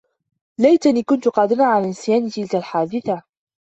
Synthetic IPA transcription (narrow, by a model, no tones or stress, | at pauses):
lajt̪aniːkʊnt̪ʊqɑːd̪ɪɾaʕalaːʔɪnsjaːnɪt̪ɪlkalħaːd̪ɪθa